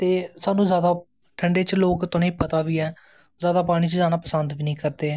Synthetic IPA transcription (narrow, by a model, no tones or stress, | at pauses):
t̪eːsaːnũːzjaːd̪aː | ʈʰəɳɖeːt͡ʃloːkt̪ʊneĩːpət̪aːʋiːɛː | zjaːd̪aːpaːɽ̃iːt͡ʃzaːnaːpəsənd̪ʋiːnĩːkəɾd̪eːɛː